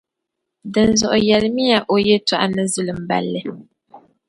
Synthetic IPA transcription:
dɨ˨nzɔ˨ʔʊ˨jɛ˨lɨ˦mi˦ja˨ʔo˨jɛ˦ta˨ʔa˦nɨ˦zu˦lɨ˨m̩˨ba̰˨lːɨ˦

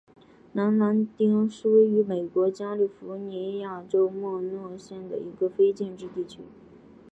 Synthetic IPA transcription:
na˧˥nna˧˥nt̪i˥ŋʂu˥y˧˥me˨˩ɪkwɔ˧˥t͡ɕja˥li˥˩fu˧˥ni˧˥ja˨˩ʈ͡ʂo˥ʊmwɔ˥˧nwɔ˥˧ɕjɛ˥˩nd̪ə̰˩i˧˥ɡə˧fe˥ɪt͡ɕjɛ˥˧nʈ͡ʂɻ̩˥˧t̪i˥˩t͡ɕʰy˥

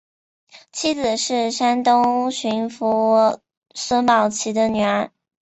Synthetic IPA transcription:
t͡ɕʰi˥d͡zɹ̩˨˩ʂɻ̩˥˩ʂa˥nt̪ʊ˥ŋɕy˧˥nfu˧˥ | swə˥npɑ˨˩ʊt͡ɕʰi˧˥d̪ə˧ny˨˧˩ə˧˥

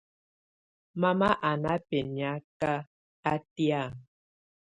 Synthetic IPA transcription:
ma˦ma˦ʔa˨na˦pe˨n˨a˦ka˦ | a˦ti˦a˦˨

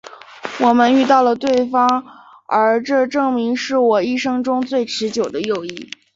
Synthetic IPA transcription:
wɔ˨˩mə˧˦ny˥˧t̪ɑ˥˩ʊlə˩t̪we˥˩ɪfɑ˥ŋ | ə˞˧˥ʈ͡ʂɤ˥˧ʈ͡ʂɤ˥˩ŋmi˧˥ŋʂɻ̩˥˩wɔ˨˩i˥˧ʂɤ˥ŋʈ͡ʂʊ˥ŋt͡swe˥˩ɪʈ͡ʂʰɻ̩˧˥t͡ɕjo˨˩ʊd̪ə˦jo˥˧ʊi˥˩

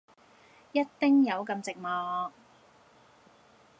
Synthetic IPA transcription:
jɐ˥t̚t̪ɪ˥ŋjɐ˨˧wkɐ˧mt͡sɪ˨k̚mɔː˨˧

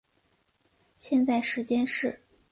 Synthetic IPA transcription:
ɕjɛ˥˧nt͡sa˥˩ɪʂɻ̩˧˥t͡ɕjɛ˥nʂɻ̩˥˩

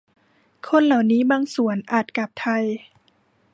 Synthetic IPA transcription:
kʰo˧˥˨nla˨˩wniː˦˥baː˧ŋsu˩˦ənʔaː˨˩t̪̚ka˨˩p̚t̪ʰa˧j

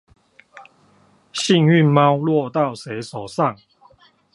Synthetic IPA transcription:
ɕi˥˧ŋy˥˨nma˦wlwɔ˥˧t̪a˥˨ʊse˨˦jso˨˩sa˥˨ŋ

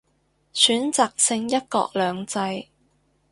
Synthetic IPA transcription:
syː˨˥nt͡saː˨k̚sɪ˧ŋjɐ˥t̚kɔ̰ː˧k̚lœː˨˧ŋt͡sɐ˧j

